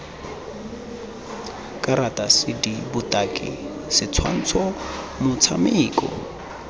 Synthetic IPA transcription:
kʼaɾatʼasɪdibʊtʼakʼɪ̰ | sɪt͡sʰwa̰n̩t͡sʰɔ | mʊt͡sʰamɪːkʼɔ̰

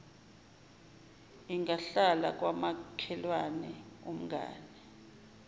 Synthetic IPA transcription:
iŋʱaɬala̰k̬ʼwamakʰɛlwanɛum̩ɡʱa̰ːnɛ

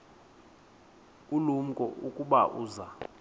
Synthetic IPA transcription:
ulum̩kʼɔ̰ʔukʼuɓaʔuːza

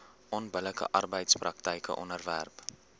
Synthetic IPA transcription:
ʔɔnbələkə̰ʔɐrbəjtsprɐk̚təjkə̰ʔɔ̰nərvæ̰rp

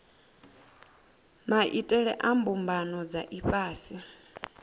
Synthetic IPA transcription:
maʔitʼɛɺɛ̰ʔambumbanɔd͡zaʔiɸʼaːsi

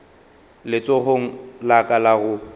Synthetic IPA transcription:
lɪt͡sʼoɣoŋ̩lakʼalaɣʊ

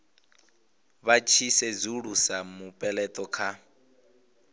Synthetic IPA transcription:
βat͡ʃʰisɛd͡zuɺusamupʼɛlɛtʼɔkʰa

